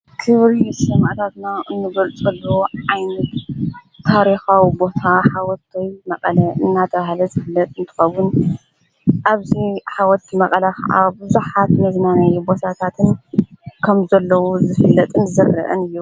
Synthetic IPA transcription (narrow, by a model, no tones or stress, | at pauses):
kʰɨβɾisɨmaʔt̪ʰat̪naʔɨnːɨɡɐlt͡sʼɐlːoʕajnɐt̪ | t̪ʰːaɾixawibo̞t̪ʰaħawɔt̪ʰːɐjmɐqʼɐlɐɨnːat̪ʰɐβahlɐzɨfɨlːɐt̪ʼɨnt̪ʰɨ̥xɐβun | ʔaβziħawɔt̪ʰimɐkʼɐlɐkʰɐ̰ʔa̰bɨzuħat̪mɐznanɐjubo̞t̪ʰat̪ʰat̪ʰɨnkʰɐmzɐlːɐwozɨfɨlːɐt̪ʼɨnʰɨzɐrːɐ̰ʔɐ̰nɨjːu